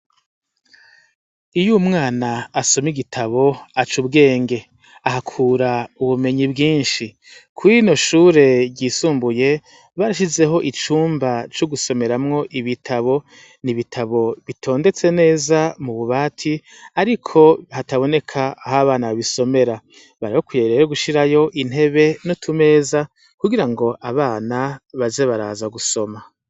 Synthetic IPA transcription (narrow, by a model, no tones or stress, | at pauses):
ijumŋaːnaːso̞miɡitʰaβo̞at͡ʃubɡe̞ːŋɡe̞ | aɦakʰuːɾauβume̞ɲibɡiːnʃi | kʰuino̞ʃuːɾe̞ɟiːsuːmbuje̞ | βaɾaʃ̬ize̞ɦo̞ʔit͡ʃuːmbat͡ʃuɡuso̞me̞ɾamŋo̞ʔiβitʰaβo̞ | niβitʰaβo̞βitʰo̞ːnde̞t͡se̞ne̞ːzamuβuβaːtʰi | aɾikʰo̞hataβo̞ne̞kʰaːɦaβaːnaβaβiso̞me̞ɾa | βaɾihokujeɾeɾoɡuʃiɾajo̞ʔin̥he̞βe̞notʰume̞ːza | kuɡiɾaŋɡo̞ʔaβaːnaβaze̞βaɾa̰ːzaɡuso̞ma